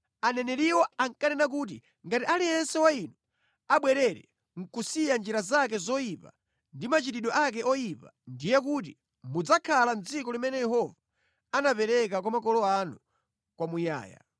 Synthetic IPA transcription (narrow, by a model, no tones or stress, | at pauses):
anɛnɛliwɔaŋkanɛnak̬ut̬i | ŋɡatiʔalijɛnsɛwainu | aɓwɛɾɛɾɛ̰ | ŋ̩kusijand͡ʒiɾazak̬ɛzɔjipa̰ | ndimat͡ʃitiɗɔʔak̬ɛʔɔjipa̰ndijɛk̬ut̬i | mud͡zakʰalan̩d͡zikɔlimɛnɛjɛɦɔva | anapɛɾɛk̬akwamakɔlɔanu | kwamuja̰ːja̰